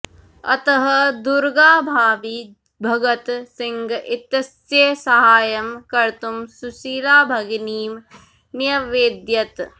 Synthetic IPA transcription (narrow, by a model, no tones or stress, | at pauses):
ɐ̰t̪ɐɦɐd̪uɾɡaːbʱaːʋi | bʱɐɡɐt̪siŋɡʔit̪ɐsjeːsɐɦaːjɐmkɐɾt̪umsusiːɾaːbʱɐɡiniːm | nijɐʋeːd̪jɐt̪